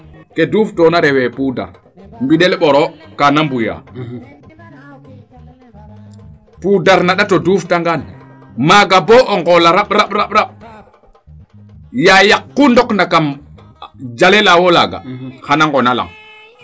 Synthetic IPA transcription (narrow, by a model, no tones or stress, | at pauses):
keduːftɔnaɾɛwepuda̰ɾ | mbiɗɛlɓɔɾɔkanambuja̰ | pudaɾnaɗatoduftaŋɡan | maɡabɔʔɔŋɡɔlaɾaɓɾaɓɾaɓɾaɓ̚ | jajakːundɔknakam | d͡ʒalelawolaɡa̰hanaŋɡɔnala̰ŋ